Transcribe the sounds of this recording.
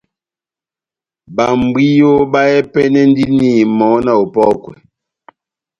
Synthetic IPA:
ba˨m˨bwi˦jo˦ba˦ɛ˦pɛ˦nɛ˦n˦di˦ni˦˨mɔ˨˦na˨o˨pɔ˦˨kwɛ̰˨

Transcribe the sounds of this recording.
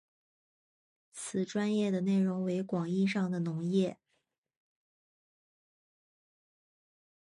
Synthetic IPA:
t͡sʰɹ̩˨˩ʈ͡ʂwa˥njɛ˥˩d̪ə˩ne˥˩ɪɻʊ˧˥ŋwe˧˥ɪkwɑ˨˩ŋi˥ʂɑ˥˩ŋd̪ə˩nʊ˧˥ŋjɛ˥˩

